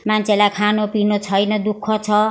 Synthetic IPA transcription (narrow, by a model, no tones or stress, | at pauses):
mant͡sʰelakʰanopinot͡sʰʌjnʌd̪ukʰːʌt͡sʰʌ